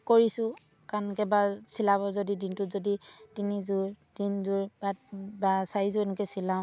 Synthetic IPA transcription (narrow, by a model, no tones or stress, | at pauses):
koɹisʊ̃ | kankɛbasilaβɔzodidintʊzoditinizʊɹ | d̥inzʊɹbabasaɹizʊɛnɛkɛsilãʊ̃